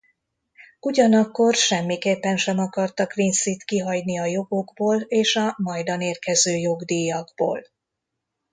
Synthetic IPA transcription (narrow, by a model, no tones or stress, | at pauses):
uɟɒnɒkːo̞rʃɛmːikeːpːɛnʃɛmɒkɒrt̪ɒkʋinsit̪kiɦɒɟniɒjo̞ɡo̞ɡboːleːʃɒmɒjd̪ɒneːrkɛzøːjo̞ɡd̪ijːɒɡbo̰ːl